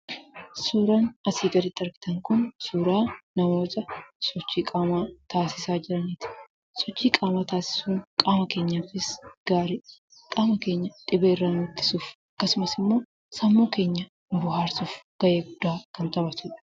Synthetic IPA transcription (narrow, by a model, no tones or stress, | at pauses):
suːɾaːnɐsiːɡ̪ɐd̪ɪt̪ːɐɾɡɪ̥t̪ɐŋkʊnsuːɾaːnɐmo̞ːt̪ɐsɔt͡ʃːiːkʼaːmaːt̪aːsɪsaːd͡ʒɪɾɐnit̪ɪ̥ | sɔt͡ʃːiːkʼaːmaːt̪aːsɪ̥suːŋkʼaːmɐke̞ːɲːaːfɪsɡ̥aːɾɪ | kʼaːmɐke̞ːɲːɐᶑ̪ʼɪbeɪrːaːnʊt̪ːɪ̥suːfɐkːɐsʊmɐsɪmːo̞ː | sɐmːoːke̞ːɲːɐ | nʊbʊɦaːɾsufɡ̥ɐʔeːɡʊd̪ʊaːkɐnt̪ɐbɐt̪ʊᶑ